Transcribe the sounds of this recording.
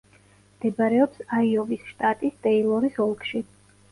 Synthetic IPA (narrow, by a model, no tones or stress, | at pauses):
md̪̥ɛbaɾɛɔpsaiɔvisʃt̪ʼat̪ʼist̪ʼɛilˠɔɾisɔlˠkʰʼʃi